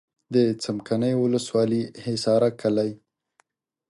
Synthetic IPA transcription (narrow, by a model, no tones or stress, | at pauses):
d̪ət͡samkanəjwʊləswɑlihɪsɑɾakalaj